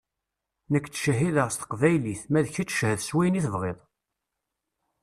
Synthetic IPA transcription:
nəkʷːt͡sʃəɦiðəʁst̪ə̥qvæjliθmæðçit͡sːʃhəðswæjniθəvʁeðˤ

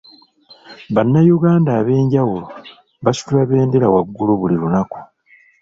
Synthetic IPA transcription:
βanːajuɡaːndaːβe̞ːɲɟawulo | βasu̥tulaβe̞ːndeɾawaɡːuluβuliɾunaku̥

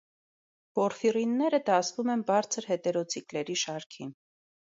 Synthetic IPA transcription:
v̥ɔɾfirinːɛɾəd̪ɑsvumɛnbɑɾt͡sʰəɾhɛt̪ɛɾɔt͡sʰiklɛɾiʃɑɾkʰin

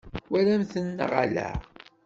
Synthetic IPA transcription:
wælæmθənːə̰ʁa̰læ̰

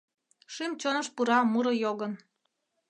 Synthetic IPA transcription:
ʃymt͡ɕonəʃpuɾɑmuɾɤ̆joɣən

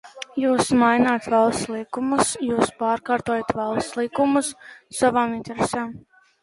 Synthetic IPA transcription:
juːsmajnaːt̪valˠst̪slˠikumusjuːspaːɾkaːɾt̪ɔjat̪valˠst̪lˠikumussavaːminʲt̪ɛɾesɛːm

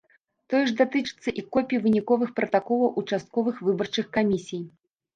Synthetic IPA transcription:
t̪ɔjɛʐd̪at̪ɨt͡ʂɨ̥t̪sːɐʔikɔpʲjivɨnʲikɔvɨxpɾɐt̪akɔlˠɐwʔut͡ʂast̪̚kɔvɨxvɨbɐrt͡ʂɨxkamʲisʲij

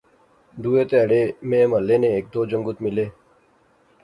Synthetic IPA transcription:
d̪uːeːt̪eɽeːmẽːməlːeːnẽːeːk̚d̪oːd͡ʒəŋɡʊt̪mɪleː

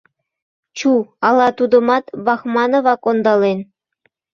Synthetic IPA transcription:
t͡ɕuɑlˠɑt̪ud̪ɤ̆mɑt̪βɑxmɑnŏʋɑkond̪ɑlen

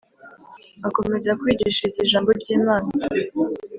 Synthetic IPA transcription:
ako̞me̞zakwiːɟiʃaziʒaːmbo̞ɾɟiːmaːna

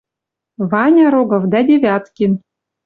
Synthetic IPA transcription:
βɑnʲɑɾoɡɤ̆vd̪æd̪ʲeβʲɑt̪kʲin

